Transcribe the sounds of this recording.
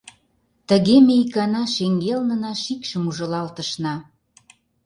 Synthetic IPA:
t̪ə̆ɣemeikɑnɑʃeŋɡelnə̆nɑʃikʃəmuʒɤ̆lɑlt̪ə̆ʃnɑ

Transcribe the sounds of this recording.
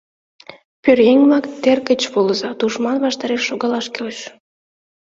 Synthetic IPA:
pørjeŋʲmɑkt̪erkət͡ɕβoləzɑt̪uʃmɑnβɑʃt̪ɑɾeʃːoɣɑlɑʃkeoʃ

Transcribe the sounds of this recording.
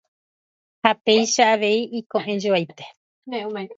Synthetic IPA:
hat̪ejʃaːʋe̞iʔikõʔẽd͡ʒoajt̪e̥ | eũa

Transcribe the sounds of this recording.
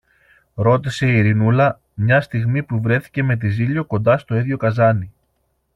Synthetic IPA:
ɾo̞t̪ise̞iɾinulɐ | mɲɐst̪iɣmipuvɾe̞θi̥ce̞me̞t̪̬iziʎo̞ko̞nd̪ɐst̪o̞iðʝo̞kɐzɐni

